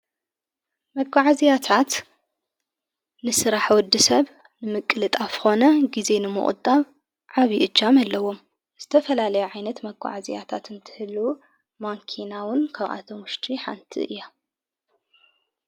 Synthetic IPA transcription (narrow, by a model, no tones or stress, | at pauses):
mɐɡaʕazijat̪ʰat̪ | nɨsɨɾaħwɔd̪ːɨsɐβ | nɨmɨkʼːɨlɨt̪ʼafxo̞nɐɡize̞nɨmɨ̰ʔχʼʊ̰d̪ʼaβ | ʕaβiʔɨd͡ʒːamalːɐwo̞m | z̥ɨt̪ʰɐfɐlalɐjuʕajnɐt̪mɐɡʷa̰ʕazḭja̰t̪ʰat̪ɨnt̪ʰɨ̥hɨlːu | maŋkʰinawʊnkʰɐβʔa̰t̪ʰomʊʃt̪ʰʼiħa̰nt̪ʰḭʔɨ̰jːa